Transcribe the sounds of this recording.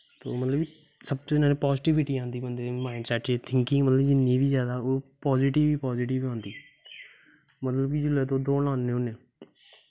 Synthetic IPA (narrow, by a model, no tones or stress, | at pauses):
t̪o̰ːmət̪ləb | səbtoɪnãːnẽːpɔːzɪʈɪʋɪʈiːãːnd̪iːbənd̪eːmaːɪnsɛːʈeːt̪ʰɪ̃ŋkɪ̃ːmət̪ləbd͡ʒɪnːiːbiːzjaːd̪aːoːpɔːziːʈɪʋiːpɔːziːʈɪʋãːnd̪iː | mət̪ləbkid͡ʒʊlɛːt̪oːd̪oːnaːnːẽːʊneː